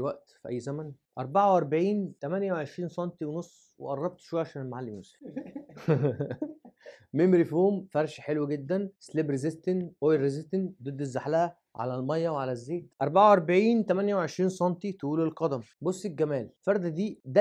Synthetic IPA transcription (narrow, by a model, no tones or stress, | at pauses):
wæʔt̪fiʔæ̰jːzæmænʔɑ̰ɾˤbaʕawʔɑɾˤbaʕiːnt̪æmænjæweʕeʃɾiːnsˤɑnt̪iwenosˤː | wḛʔɑrˤːɑb̚t̪ʃwæjʕaʃæːnelmaʕalːimjusf | memɾifoːmfæɾˤʃħelwæɡed̪ːænslebɾezest̪enʔojɾezɪst̪end̪ed̪ːezːaħlæhæ | ʕa̰lælmɑjːæweʕalæzːeːt̪ʔɑɾˤbaʕawʔɑɾˤbaʕiːnt̪æmænjæweʕeʃɾiːnsˤɑnt̪it̪ʔuːlelqɑd̪æmbosˤːeɡæmæːlfɑɾˤd̪æd̪iːd̪æ